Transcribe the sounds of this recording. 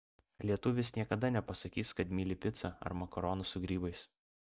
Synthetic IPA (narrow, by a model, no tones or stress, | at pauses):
lʲiɛt̪ʊʋʲɪsnʲiɛkɐd̪ɐnʲɛpɐsɐkʲiːskɐt̪mʲiːlʲɪpʲɪt̪sɐɐ̰ɾmɐkɔɾoːnʊsʊɡɾʲiːbɐɪs